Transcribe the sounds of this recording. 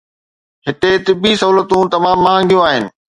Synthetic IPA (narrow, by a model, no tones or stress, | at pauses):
ɦɪʈ̪et̪ɪbisɐɦuːlət̪ũt̪ɐmãːmːaːɦə̃ŋɡijũaːɦɪnɪ̆